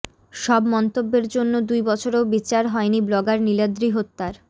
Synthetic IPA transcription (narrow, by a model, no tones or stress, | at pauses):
ʃɔbmɔnt̪obːeɾd͡ʑonːod̪ujbɔt͡ɕʰoɾeobit͡ɕaɾɦɔeniblɔɡaɾnilad̪ɾiɦot̪ːaɾ